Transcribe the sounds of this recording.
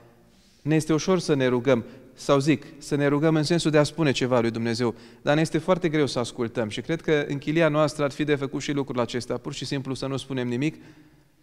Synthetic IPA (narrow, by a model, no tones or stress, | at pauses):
neje̞st̪e̞uʃo̞rsəne̞ɾuɡəmsawziksəne̞ɾuɡəmɨnse̞nsuld̪easpune̞t͡ʃe̞valujd̪umne̞ze̞wd̪aneje̞st̪efoart̪e̞ɡɾe̞wsəaskult̪əmʃikɾe̞d̪̚kəɨ̰ŋkʲilianoast̪ɾəarfid̪e̞fəkut̪ʃilukɾulat͡ʃe̞st̪eapurʃisimplusənuspune̞mnimik